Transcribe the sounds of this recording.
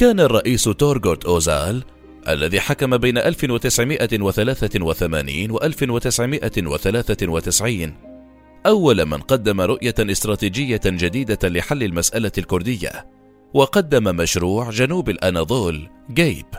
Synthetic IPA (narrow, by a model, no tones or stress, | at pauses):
kaːnarˤːɑʔiːst̪oːɾɡoɾt̪ʔoːzaːl | ʔa̰lːaðiːħakamabejnaʔalfɪnwat̪ɪsʕɪmɪʔawaθalaːθawaθama̰ːniːnwaʔalfɪnwat̪ɪsʕɪmɪʔawa̰θalaːθawat̪ɪsʕiːn | ʔawːalma̰nqɑd̪ːamaɾˤʊʔjaʔɪst̪ɾˤɑːt̪iːd͡ʒɪjːad͡ʒad̪iːd̪alɪħalːɪlmasʔalalkʊɾˤd̪ɪjːa̰ | wɑqɑd̪ːamamaʃɾuːʕd͡ʒanuːbalʔanaðˤoːlɡajb